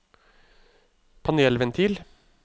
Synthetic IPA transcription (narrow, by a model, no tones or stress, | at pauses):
pʰɑnɛlʋɛnt̪ʰiːl